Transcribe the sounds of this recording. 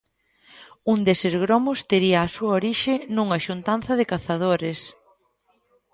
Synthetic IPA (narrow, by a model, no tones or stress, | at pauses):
und̪esɪzɣɾɔmʊst̪eɾiɐːsuɐoɾiʃɪnũŋɐʃunt̪anθɐðɪkaθað̞oɾɪs